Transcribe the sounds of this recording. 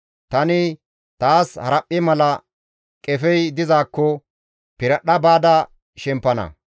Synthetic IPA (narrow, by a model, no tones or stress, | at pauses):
t̪ɐnɪ | t̪aːshɐ̰ɾɐpʼːɪmɐlɐ | kʼɛfɛjd̪ɪzaːkːɔ | pɪɾɐɗɐbaːd̪ɐ | ʃɛmpːɐnɐ̰